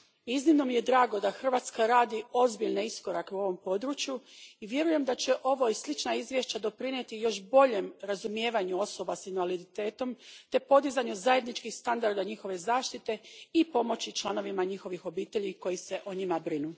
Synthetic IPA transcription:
iznimno̞mije̞d̪ɾaːɡo̞d̪axr̩ʋaːt̪skaɾaːd̪io̞zbiʎneisko̞ɾakeuo̞ʋo̞mpo̞d̪ɾut͡ɕjuiʋje̞ɾuje̞md̪at͡ɕe̞ʔo̞ʋo̞islˠit͡ʃnaizʋje̞ʃt͡ɕad̪o̞pɾinet̪ijo̞ʃbo̞ʎe̞mɾazumje̞ːʋaɲuo̞so̞basinʋalid̪it̪e̞ːt̪o̞mt̪e̞po̞d̪izaɲuzaje̞d̪nit͡ʃkixst̪and̪aɾd̪aɲixo̞ʋe̞zaːʃt̪it̪e̞ipo̞mo̞t͡ɕit͡ʃlˠano̞ʋimaɲixo̞ʋixo̞biːt̪e̞ʎiko̞jise̞ʔoɲimabɾinu

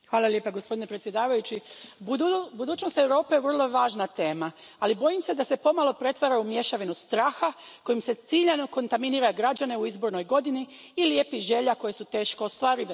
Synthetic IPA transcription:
xʋaːlˠaljepaɡo̞spo̞d̪ine̞pɾet̪sje̞d̪aːʋajut͡ɕibubud̪uːt͡ʃnost̪e̞wɾo̞ːpejeʋr̩lˠo̞ʋaːʒnat̪e̞ːmaalibo̞jimse̞d̪ase̞po̞malˠo̞pɾe̞t̪ʋaɾaumje̞ʃaʋinust̪ɾaːxako̞jimse̞t̪siʎanoko̞nt̪aminiːɾaɡɾad͡ʒane̞uizbo̞ɾno̞jɡo̞d̪iniː | lje̞ːpiʒe̞ʎako̞jesut̪e̞ːʃko̞ost̪ʋaːɾiʋ

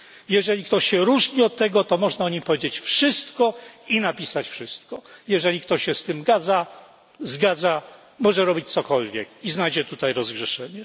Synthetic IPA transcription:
jɛʐɛlʲikt̪ɔɕɕɛɾuʐɲiɔt̪ːɛɡɔt̪ɔmɔʐnaɔɲipɔvʲjed͡ʑet͡ɕfʂɘst̪kɔinapʲisat͡ɕfʂɘst̪kɔjɛʐɛlʲikt̪ɔɕɕɛst̪ɘmɡad̪za | zɡad̪za | mɔʐɛɾɔbʲit͡ɕt̪sɔkɔlvʲjɛkiznajd͡ʑɛt̪ut̪ajɾɔzɡʐɛʂɛɲɛ

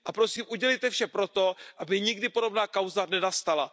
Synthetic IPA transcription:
ʔapɾo̞siːmʔuɟɛlejt̪ɛfʃɛpɾo̞t̪o̞ʔabɪɲɪɡdɪpo̞do̞bnaːkawzanɛnast̪ala

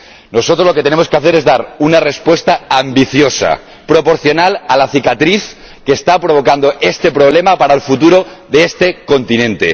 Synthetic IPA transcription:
no̞sot̪ɾozloket̪ene̞moske̞aθe̞ɾe̞zðaɾunare̞spwe̞st̪aambiθjo̞sa̰ | pɾo̞po̞ɾθjo̞nalalaθikat̪ɾiθ | keːst̪apɾo̞βo̞kand̪o̞ʔe̞st̪e̞pɾo̞β̞le̞mapaɾaelfut̪uɾo̞ðeest̪e̞ko̞nt̪inẽ̞nt̪e̞̰

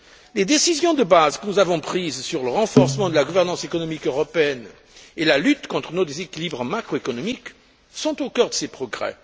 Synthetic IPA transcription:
led̪esizjɔ̃d̪əbazkənuzavɔ̃pχizsyʁləʁɑ̃fɔʁsəmɑ̃d̪əlaɡuvɛʁnɑ̃sekɔnɔmikøʁɔpeɛn | elalyt̪kɔ̃t̪χənod̪ezekʲilibʁəmakχoekɔnɔmik | sɔ̃t̪okœʁd̪əsepχɔɡʁɛ̰

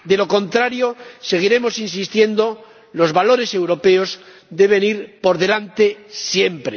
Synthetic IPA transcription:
d̪e̞lo̞ko̞nt̪ɾaɾjo̞se̞ɣ̞iɾe̞mo̞sins̬ist̪je̞nd̪o̞ | lo̞zβalo̞ɾe̞se̞wɾo̞pe̞o̞z | d̪e̞βe̞niɾpo̞ɾðe̞lant̪e̞sjempɾe

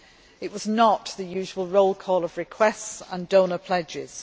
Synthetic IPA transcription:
ɪʔwɒznəʔðəjʉːʒəwəlˠɹoʊlˠkʰɔːləv̥ɹɪkʰw̥ɛstsə̃ndõʊ̃nəpʰl̥ɛd͡ʒɪz̥

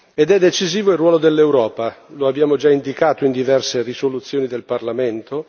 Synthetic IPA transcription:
ed̪ɛd̪ːet͡ʃiziːvoilrːwɔːlod̪elːewɾɔːpaloabːjaːmod͡ʒaind̪ikaːt̪oind̪ivɛrserisolut̪sːjoːnid̪elparlament̪o

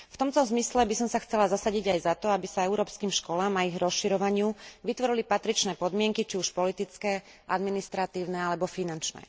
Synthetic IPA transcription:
ft̪ɔmt̪ɔzmislɛbisɔmsaxt͡sɛlazasaɟiɟajzat̪ɔabisaɛʊɾɔːpskiːmʃkɔlaːmaiɣɾɔsʃiɾɔʋaɲɪuʋit̪ʋɔɾilipat̪ɾit͡ʃnɛːpɔd̪mɪɛŋkit͡ʃiuʃpɔlit̪it͡skɛː | ʔa̰d̪minist̪ɾat̪iːʊnɛalɛbɔfinant͡ʃnɛ̰ː

